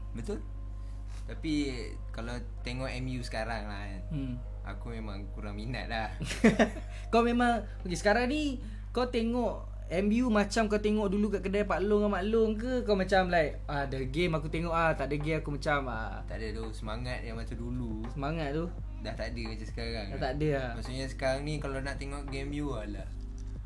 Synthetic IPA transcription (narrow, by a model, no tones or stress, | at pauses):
bət̪ʊl | t̪api | kala | t̪eŋɔʔɛmiusə̥kaɾaŋla | a̰kumemaŋkuɾaŋmina̰t̪̚lah | kawmẽmaŋ | okesə̥kaɾaŋni | kawt̪eŋɔʔ | ɛmjumat͡ʃamkawt̪eŋɔʔdulukaʔkədajapaʔlʊŋamalʊŋk̬əkawmat͡ʃamlajʔ | adəɡemakut̪eŋɔʔaht̪aʔdaɡeakumat͡ʃama | t̪a̰ʔdadosəmaŋat̪̚jaŋmat͡ʃamdulu | səmaŋat̪̚d̪o | daht̪adəkad͡ʒasə̥kaɾaŋat̪adəamaʔsuʔɲasə̥kaɾaŋnikalawnaʔt̪eŋɔʔɡɛmbjualah